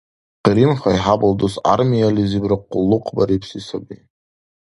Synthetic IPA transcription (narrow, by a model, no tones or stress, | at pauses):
qɨɾimχajħabɨldusa̰rmijalizibrɨqːʊlːuqʰbaɾipʰsisabi